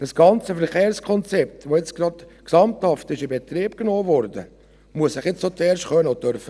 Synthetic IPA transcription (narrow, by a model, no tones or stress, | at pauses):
d̥ɑsɡ̥ɑnt͡səfəɾχeːɾskʰɔnt͡sɛp̚t̪ʋojet͡sɡ̥rɑd̪ksɑmt̪hɑftɪʃɪbɛt̪ɾiːpknoːvɔɾdə̰ | muəssɪχjɪt͡ssot͡sɛːɾʃχœnəot̪œɾfə